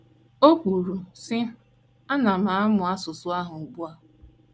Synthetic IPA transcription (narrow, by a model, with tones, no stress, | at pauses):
o˦kʷu˨ɾu˨sɪ˦ | a˦na˨m̩a˨˦mʊ˨a˦sʊ˨sʊ˦a˦ɦʊ˨ɡ͡bu˦a˦